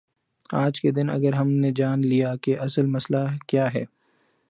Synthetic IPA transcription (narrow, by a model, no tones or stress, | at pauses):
aːd͡ʒked̪ɪnɐ̰ɡəɾɦɐmned͡ʒaːnlijakeʔɐsəlmɐslakjaːɦɛː